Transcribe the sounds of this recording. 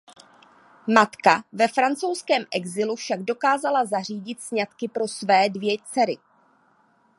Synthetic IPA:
mat̪kavɛfɾant͡sowskɛːmʔɛɡzɪlufʃaɡdo̞kaːzalazar̝iːɟɪt̪sɲat̪kɪpɾo̞svɛːdvjɛt͡sɛɾɪ

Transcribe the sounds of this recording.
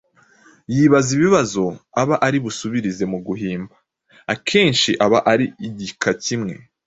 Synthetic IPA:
jiβaziβiβazo̞aβaʔaɾiβusuβiɾize̞muɡuɦiːmba | akʰe̞ːnʃiʔaβaʔaɾiiɟikʰacimŋe̞̰

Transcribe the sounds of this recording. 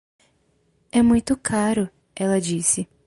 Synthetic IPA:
ɛmũj̃t̪ʊkʰaɾʊ | ɛlɐd͡ʒisɪ

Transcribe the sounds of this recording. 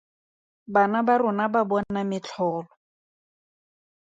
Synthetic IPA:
banabarʊnababɔn̩namɪt͡ɬʰɔːlɔ

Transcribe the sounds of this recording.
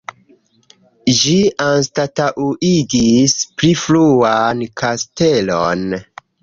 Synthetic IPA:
ʒianstataʔuʔiɡispɾifluankʰastelon

